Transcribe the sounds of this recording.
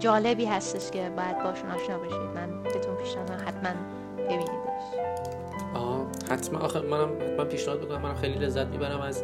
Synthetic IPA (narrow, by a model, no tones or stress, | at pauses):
d͡ʒɒːlebiːɦæst̪eʃce̞bɒːjæd̪̚bɒːeʃunʔɒːʃnɒːbeʃḭd̪mænbet̪ʰunpʰiːʃnæmæmhæt̪ʰmæn | b̥e̞biːniɒʃ | ɒɣɒ | hæt̪ʰmænʔɒ̰xemænæmhæt̪mænpʰiːʃnæhɒːd̪̚ikʰonæmænæmxejlile̞zːæt̪̚mḭbæɾæmæz